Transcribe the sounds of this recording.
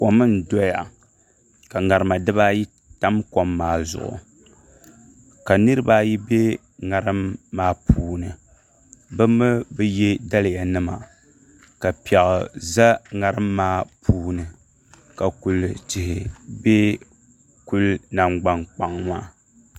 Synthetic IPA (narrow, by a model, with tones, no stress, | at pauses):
ko˨mɨ˦n̩˨dɔ˦ja˨ | ka˨ŋa˨ɾɨ˨ma˨dɨ˦ba˦ji˦ | ta˦mko˨mːaː˨zʊ̰˨ʔʊ̰˨ | ka˨nɨ˦ɾɨ˦baː˦ji˦be˦ | ŋa˨ɾɨ˦mːaː˦pʰuː˦nɨ˨ | bɨ˦mɨ˦bɨ˦je˦da˦lɨ˨ja˨nɨ˦ma˨ | ka˨pi˨ɛ˨ʔʊ̰˨za˦ŋa˨ɾɨ˦mːaː˦pʰuː˦nɨ˨ | ka˨ku˨lɨ˨tɪ˨hɪ˨be˦ | ku˦lna˨mɡ͡ba˦nk͡pa˨ŋmaː˦